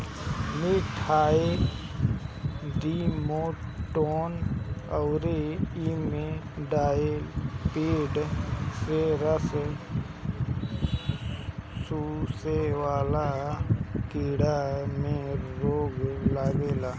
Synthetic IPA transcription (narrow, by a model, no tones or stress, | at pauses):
mɪʈʰaːe | d̪iːmoːʈoːnɔʊɾeimẽ | ɖaːelpeːɖseɾəs | susewaːla | keːɽamẽɾoːɡlaːɡelaː